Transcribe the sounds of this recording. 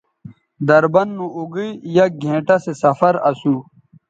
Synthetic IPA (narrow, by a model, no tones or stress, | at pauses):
d̪ɐɾbɐnːũʔuɡijɐɡʱẽːʈɐsesɐfɐɾɐsuː